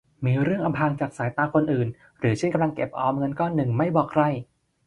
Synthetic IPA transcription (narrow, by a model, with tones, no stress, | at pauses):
miː˧ɾɯ˥˩əŋʔa˧mpʰaː˧ŋt͡ɕaː˨˩k̚saː˩˦jt̪aː˧kʰo˧nʔɯː˨˩n | ɾɯː˩˦t͡ɕʰe˥˩nka˧mla˧ŋke˨˩p̚ʔɔː˧mŋɤ˧nkɔː˥˩nːɯ˨˩ŋma˥˩jbɔː˨˩kʰɾa˧˩j